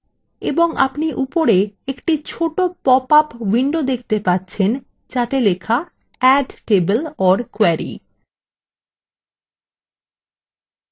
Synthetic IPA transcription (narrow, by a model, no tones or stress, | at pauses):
eboŋa̰pniʔupoɾeekʈit͡ɕʰoʈopɔpapwiɳɖod̪ekʰt̪epatːɕʰen | d͡ʑat̪elekʰa | ɛɖʈebelɔɾkwɛɾḭ